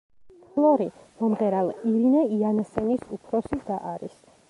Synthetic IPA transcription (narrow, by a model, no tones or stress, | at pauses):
ɔlˠɔɾimɔmʁɛɾalˠiɾinɛianasɛnisupʰɾɔsid̪aʔaɾḭs